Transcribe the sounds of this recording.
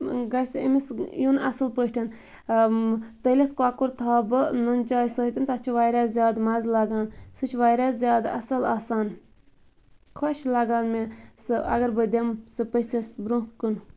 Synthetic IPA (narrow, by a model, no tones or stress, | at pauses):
ɡɐsə̰misjuna̰sɨlpəʈʰʲin | t̪əlit̪kaːkuɾt̪ʰaːbɨnont͡ʃaːjsəɦt̪int̪at͡ʃʰuʋaːjɾaːzjaːd̪mazlaɡaːnsɨt͡ʃʰʋaːjɾaːzjɑːd̪ɐ̰sɐlaːsaːn | kʰaʃlaɡaːnmesɨɐ̰ɡɐɾbəd̪ʲemsɨpəsesbɾũkːun